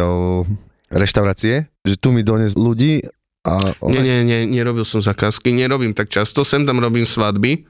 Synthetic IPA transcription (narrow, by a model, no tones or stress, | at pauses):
ɔ | ɾɛʃt̪aʊɾaːt͡siɛʒɛt̪umid̪ɔɲɛzluɟiː | ʔaɔ̰ɲɛɲɛɲɛɲɛɾɔbilsɔmzakaːskiɲɛɾɔbiːmt̪ak̚t͡ʃast̪ɔsɛmt̪amɾɔbiːmsʋad̪bi